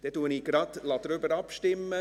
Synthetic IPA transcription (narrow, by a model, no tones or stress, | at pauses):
d̥ɛt̚duənikɾɑtlɑt̪ːəɾøbəɾɑpstɪmə